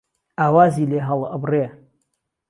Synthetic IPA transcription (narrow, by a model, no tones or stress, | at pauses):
aːwaːziːleːɦɐlʔəbre